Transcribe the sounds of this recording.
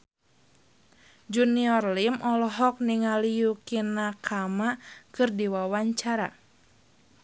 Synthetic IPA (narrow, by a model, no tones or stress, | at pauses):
d͡ʒuniɔrlimʔɔlɔɦɔk̚niŋalijukinakʰamakɨrdiwawaɲt͡ʃaɾa̰